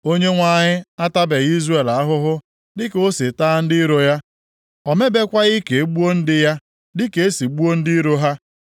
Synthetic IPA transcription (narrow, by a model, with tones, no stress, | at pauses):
o˦ɲe˦ŋʷa˨ɲɪ˦a˦ta˦be˨i˦zre˨la˨˦ɦʊ˦ɦʊ˦ | dɪ˦ko˦si˨taː˦n̩˦dɪ˦ɾo˨ja˦ | ɔ˨me˦be˦kʷa˦ɣi˦ke˨˦ɡ͡bu˦o˦n̩˦dɪ˦ja˦ | dɪ˦ke˨e˦si˨ɡ͡bu˦o˦n̩˦dɪ˦i˦ɾo˦ɦa˦